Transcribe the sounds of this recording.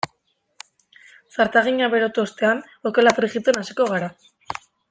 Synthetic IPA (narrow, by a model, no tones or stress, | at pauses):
saɾt̪aɣ̞iɲaβe̞ɾot̪uost̪e̞an | oke̞lafriɣit͡senasiko̞ɣ̞aɾa